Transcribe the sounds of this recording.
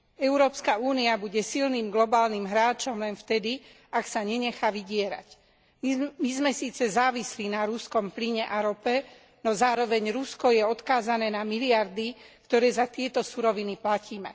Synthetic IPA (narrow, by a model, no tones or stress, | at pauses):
ɛʊɾɔːpskauːniabuɟɛsilniːmɡlɔbaːlnimɦɾaːt͡ʃɔmlɛnft̪ɛd̪i | aksaɲɛɲɛxaʋiɟɪɛɾa̰c | mizmɛsiːt͡sɛzaːʋislinaɾuskɔmpliɲɛʔaɾɔpɛ | nɔzaːɾɔʋɛɲɾuskɔjɛɔt̪kaːzanɛːnamiliaɾd̪ikt̪ɔɾɛːzat̪ɪɛt̪ɔsuɾɔʋiniplaciːmɛ